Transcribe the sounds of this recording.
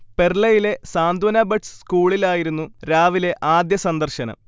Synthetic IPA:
pe̞rɭɐjile̞saːnd̪wɐnɐbɐʈsskuːɭilaːjiɾunːuɾaːʋile̞ʔaːd̪jɐsɐnd̪ɐrɕɐnɐ̰

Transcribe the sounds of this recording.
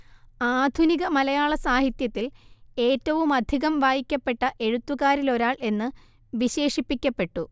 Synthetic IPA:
aːd̪ʱuniɣɐmɐlɐjaːɭɐsaːɦit̪jɐt̪ːile̞ːtːɐʋumɐd̪ʱiɣɐmʋaːjikʲːɐpːe̞ʈːɐʔe̞ɻut̪ːuɣaːɾilo̞ɾaːɭe̞nːɨ | ʋiɕe̞ːʂipːikʲːɐpːe̞ʈːu

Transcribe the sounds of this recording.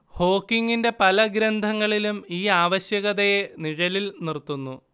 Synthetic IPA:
ho̞ːkːiŋːinde̞pɐlɐɡɾɐnd̪ʱɐŋːɐɭilumiːaːʋɐɕjɐɣɐðeniɻɐlilnirt̪ːunːu

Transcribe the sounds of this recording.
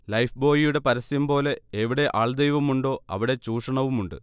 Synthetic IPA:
lɐjfbo̞ːjijuɽe̞pɐɾɐsɐjɐmbo̞ːle̞eʋiɽe̞ʔaːɭd̪ejʋɐmuɳɖo̞ːɐ̰ʋiɽe̞t͡ɕuːʂɐɳɐʋumuɳɖɨ̰

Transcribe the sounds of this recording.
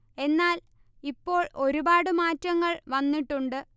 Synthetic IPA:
e̞nːaːl | ipːo̞ːɭo̞ɾubaːɽɨmaːtːɐŋːɐɭʋɐnːiʈːuɳɖɨ

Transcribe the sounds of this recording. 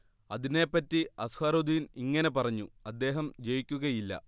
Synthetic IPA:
ɐðine̞ːpːɐtːiɐshaːɾod̪ijiniŋːɐne̞pɐrɐɲːuɐd̪ːe̞ːɦɐmd͡ʑe̞jikʲːuɣɐjilːɐ̰

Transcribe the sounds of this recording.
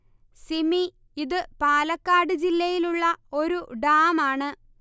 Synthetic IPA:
simi | iðɨpaːlɐkːaːɽɨd͡ʑilːɐjiluɭːɐo̞ɾuɖaːmaːɳɨ

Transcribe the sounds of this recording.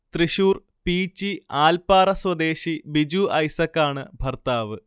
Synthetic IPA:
t̪riɕuːr | piːt͡ɕːiaːlpaːrɐswɐd̪eːɕibid͡ʑuɐjsɐkːaːɳɨbʱɐrt̪aːʋɨ

